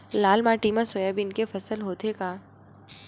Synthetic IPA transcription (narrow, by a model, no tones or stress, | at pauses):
laːlmaʈiːməɾsoːjabɪnkefɐsəlɦoːt̪ekaː